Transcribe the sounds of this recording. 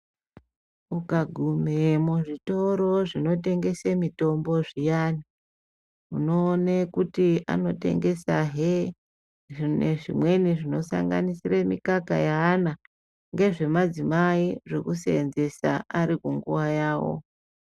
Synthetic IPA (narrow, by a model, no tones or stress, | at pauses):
ukaɡʱumemuʐito̞ɾo̞ʐino̞te̞ŋɡe̞semito̞mbo̞ʐijani | uno̞ːnekutia̰no̞te̞̰ŋɡe̞saɦe | ʐineʐimwe̞niʐino̞sa̰ŋɡanisiremikaka̰jaːna | ŋɡe̞ʐe̞mad͡zimaiʐe̞̰kuseːnze̞sa̰ʔaɾikuŋɡṵwajaːwo̞̰